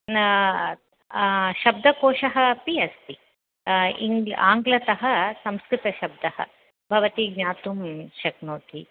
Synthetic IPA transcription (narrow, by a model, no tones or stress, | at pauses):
ʃɐb̚d̪ʱɐkoːʂɐɦɐpiɐspi | ḭŋaːŋɡlɐt̪ɐɦɐ̆sɐmskɾɪt̪ɐʃɐb̚d̪ʱɐhɐ̰ | bʱɐʋɐt̪iɡɲaːt̪umʃɐknoːt̪i